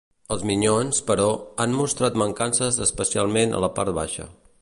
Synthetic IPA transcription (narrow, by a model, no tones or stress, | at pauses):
əlˠzmiɲonspəɾɔanmust̪ɾat̪məŋkansəzəspəsialˠmenə̰ləpa̰ɾt̪̚βa̰ʃə̰